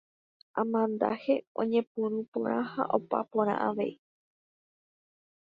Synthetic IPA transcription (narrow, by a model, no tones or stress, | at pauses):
ãmãnd̪a̰he̞õ̰ɲẽ̞pɨ̃ɾũpõ̰ɾ̃ʔãha̰ʔopa̰põɾ̃ã̰ʔaʋe̞̰i